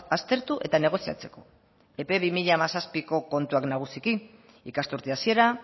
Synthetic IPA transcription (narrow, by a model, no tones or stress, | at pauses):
ast̪e̞ɾt̪uʔe̞t̪ane̞ɣ̞o̞sia̰t͡se̞̥ko̞ | e̞pe̞βimiʎamasaspiko̞ko̞nt̪uaknaɣ̞usiki | ikast̪uɾt̪iasie̞ɾa